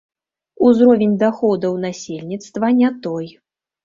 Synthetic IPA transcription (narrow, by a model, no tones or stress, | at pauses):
uzɾɔvʲenʲd̪axɔd̪ɐwnasʲelʲnʲit̪st̪vɐnʲat̪ɔj